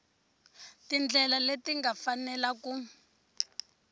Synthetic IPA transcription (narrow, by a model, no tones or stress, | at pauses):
tind͡ɮʱɛlaletiŋɡafanɛlaku